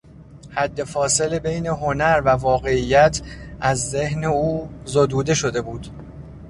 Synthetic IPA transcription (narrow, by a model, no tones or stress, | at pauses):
hæd̪ːe̞fɒːse̞lebe̞jne̞ɦo̞næɾvævɒːɣe̞ijːæt̪ʰʔæzːehneuːzod̪uːd̪e̞ʃo̞d̪e̞buːd̪̥